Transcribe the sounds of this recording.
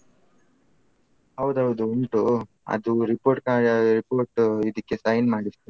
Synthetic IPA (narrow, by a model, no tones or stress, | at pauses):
hɐwd̪ɐwd̪uuɳʈu | ɐ̰d̪uɾipoːɾʈ̚kaːɾipoːɾʈid̪ikːe̞sɐjnmaːɽist̪u